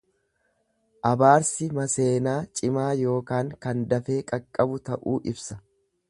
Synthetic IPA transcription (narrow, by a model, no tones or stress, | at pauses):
ʔɐbaːɾsɪmɐse̞ːnaːt͡ʃʼɪmaːjo̞ːkaːŋkɐnd̪ɐfe̞ːkʼɐkʼːɐbʊt̪ɐʔuːʔɪbsɐ